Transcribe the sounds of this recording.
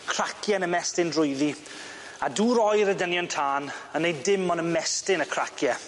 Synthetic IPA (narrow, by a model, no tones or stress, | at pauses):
kʰr̥akʰjɛnəmɛstɪndrʊjði | aduːɾɔjɾədənjɔntʰaːnənejdɪmɔnəmɛstɪnəkʰr̥akʰjɛ